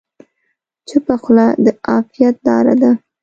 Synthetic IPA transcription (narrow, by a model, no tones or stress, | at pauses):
t͡səpəxlad̪əɑfijat̪̚d̪ɑ̰ɾa̰d̪a